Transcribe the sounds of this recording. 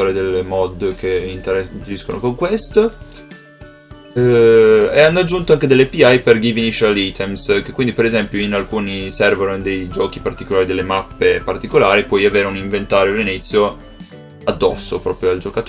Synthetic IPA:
oːɾed̪elːemɔd̪kʰeint̪eɾad͡ʒiskono̰koŋkwest̪o | eanːoad͡ʒːunt̪oaŋked̪elːepiajperɡivinit͡ʃalit̪ʰɛmskekːwind̪ipeɾezɛmpjoinalkuːnisɛrvonod̪ejd͡ʒɔːk̟ipart̪ikolaːɾid̪elːemapːepart̪ikolaːɾipwɔjaveːɾeuniɱvent̪aːɾjoalinit̪sːjo | ad̪ːɔsːopɾɔ̰ːpɾjoald͡ʒokat̪

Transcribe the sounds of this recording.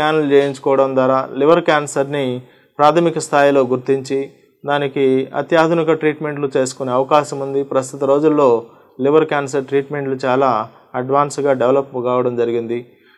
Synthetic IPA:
aːnɐlt͡ʃeːjiɲt͡ʃu̥kɔːʋɐɽɐmd̪aːɾaːliʋɐɾkaːnsɐɾni | pɾaːt̪ʰɐmikɐst̪ʰaːjilo̞ːɡuɾt̪iɲt͡ʃi | d̪aːnikiɐ̰t̪jaːd̪ʱunikɐʈɾiːʈme̞ɳʈlut͡ʃe̞ːsu̥kuneːɐʋɐkaːʃɐmund̪ipɾɐst̪ut̪ɐɾo̞ːd͡ʒulːo̞ː | liʋɐɾkjaːns̬ɐɾʈɾiːʈme̞ɳʈlut͡ʃaːlaː | ɐɖʋaːnsɡaːɖeʋlɐpːkaːʋɐɽɐmd͡ʒɐɾiɡind̪i

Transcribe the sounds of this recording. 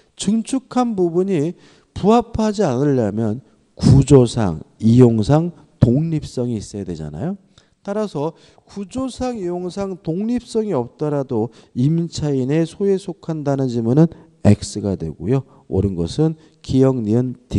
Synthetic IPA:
t͡ɕɯŋt͡ɕʰukʰanbubuɲi | puɦapʰad͡ʑianɯʎːamjʌn | kud͡ʑosʰa̰ŋijoŋsʰaŋ | toŋɲip̚s͈ʌŋiːs͈ʌjadwe̞d͡ʑa̰na̰jo | taɾasʰʌ | kud͡ʑosʰaŋijoŋsʰaŋtoŋɲip̚s͈ʌŋiʌp̚t͈ʌɾadoimint͡ɕʰaine̞sʰoe̞sʰokʰandanɯnd͡ʑimunɯn | e̞̰k̚s͈ɯɡadwe̞̰ɡo̰jo | o̰ɾɯnɡʌsʰɯn | kijʌŋɲiɯnti

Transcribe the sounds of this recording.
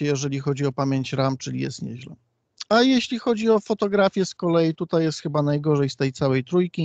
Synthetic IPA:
ɛjɛʐɛlʲixɔd͡ʑiɔpamʲjeɲt͡ɕɾamt͡ʂɘlʲḭjɛ̰st̪ɲɛ̰ʑlɛ̰ | ajeɕlʲixɔd͡ʑiɔfɔt̪ɔɡɾafʲjɛskɔlɛjit̪ut̪ajːɛst̪xɘbanajɡɔʐɛjst̪ɛjt̪sawɛjt̪ɾujkʲi

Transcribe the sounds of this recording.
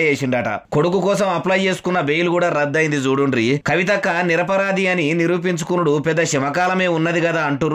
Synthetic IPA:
eːsiɳɖɐːʈɐ̰ko̞ɽukukɔːsɐmɐplɐjt͡ʃe̞ːsu̥kunːɐbejulukuːɽaːɾɐd̪ːɐjind̪id͡ʒuːɽunɾikɐʋit̪ɐkːɐniɾɐpɐɾaːd̪ijɐniniɾuːp̬iɲt͡ʃu̥kunuɽupɛd̪ːɐʃɛmɐkaːlɐme̞ːunːɐd̪ikɐd̪aːɐɳʈuu

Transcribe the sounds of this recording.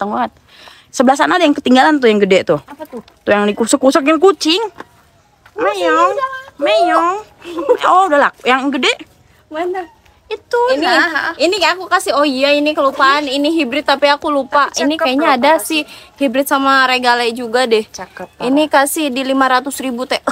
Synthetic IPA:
t̪aŋuat̪̚ | səbəlahs̬anadajaŋkət̪iŋɡalant̪ʊjaŋɡədɛt̪ʊh | t̪ujaŋdikusəkusəkjaŋkut͡ʃɪŋ | mejɔmejɔŋ | ɔudalak̚jaŋɡədɛʔ | it̪uiniinikakukasioijainikəlupaaniniɦibɾɪt̪ːapiakulupaʔinikajaɲaːdasɪhhibɾɪt̪samaɾeɡalaid͡ʒuɡadɛhinikasihdilimaɾat̪ʊsɾibut̪ɛʔ

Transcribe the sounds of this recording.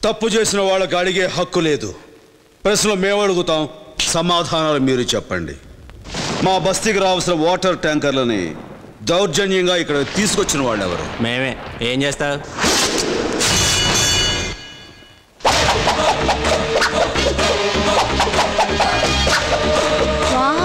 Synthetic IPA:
t̪ɐpːut͡ʃe̞ːsinɐʋaːɭːɐk̬iɐɽiɡe̞ːɦɐkːule̞ːd̪u | pɾɐsnloːmeːmɐɽuɡut̪aːwsɐmaːd̪ʱaːnaːlumiːɾut͡ʃɛpːɐɳɖḭ | maːbʱɐst̪ikiɾaːʋɐlsinɐʋɔːʈɐɾʈaːŋkɐɾlɐnḭ | d̪ɐwɾd͡ʒɐnjɐŋɡaːikːɐɽɐt̪iːsukot͡ʃːinɐʋaːɭːɛ̰ʋɐ̰ɾṵmeːmeːeːmt͡ʃeːst̪aːɾu

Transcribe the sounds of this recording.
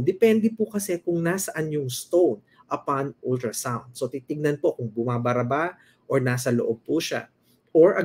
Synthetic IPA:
d̪ɛpɛnd̪ɛpʊkɐsɛkʊŋnasɐʔɐnjoŋst̪own | ʔɐpanʔult̪ɾɐsawnd̪̚so̞t̪iːt̪ɪɡ̚nɐnpo̞kʊŋbʊmaːbɐɾɐba | ʔoɹnaːsɐloʔob̚puʃa̰ | ʔoɹʔɐ

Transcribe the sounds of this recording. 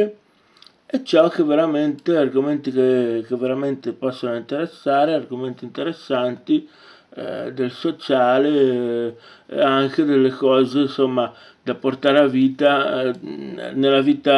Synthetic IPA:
et͡ʃːɔk̟ːevːeɾament̪earɡoment̪ik̟ek̟evːeɾament̪epːɔsːonoint̪eɾesːaːɾearɡoment̪int̪eɾesːant̪ḭ | d̪elsot͡ʃaːle | ḛaŋk̟ed̪elːekɔːzeinsomːa | d̪apːort̪aːɾeaviːt̪a | nelːaviːt̪a

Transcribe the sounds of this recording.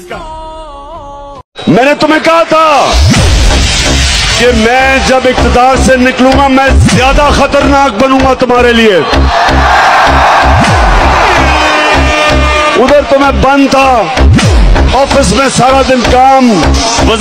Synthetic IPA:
mɛ̃ːnet̪ʊmẽkɐɦat̪ʰaː | kemɛ̃ːd͡ʒɐbɪk̚t̪ɪd̪aːɾsenɪklũːŋɡamɛ̃ːzjaːd̪axət̪əɾnaːk̚bɐnũːŋɡat̪ʊmaːɾelieː | ʊd̪əɾt̪ʊmẽbɐ̃nd̪t̪ʰaː | ɔːfɪsmẽsaːɾad̪ɪnkaːm | ʋə

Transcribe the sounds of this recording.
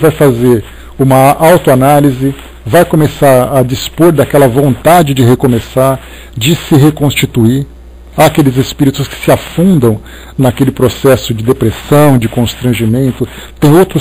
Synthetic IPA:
vajfazeɾ | ũmɐʔawt̪ʊanalizɪ | vajkõmesaɾɐd͡ʒispoɾd̪akɛlɐvõnt̪ad͡ʒɪd͡ʒɪɦekomesaɾ | d͡ʒɪsɪɦekõst͡ʃit̪uiɾ | akelɪzespiɾit̪ʊskɪ̥sɪafũnd̪ɐ̃w̃ | nɐkelɪpɾosɛsʊd͡ʒɪd̪epɾesɐ̃w̃d͡ʒɪkõst̪ɾɐ̃ʒimẽnt̪ʊ | t̪ẽj̃owt̪ɾʊ

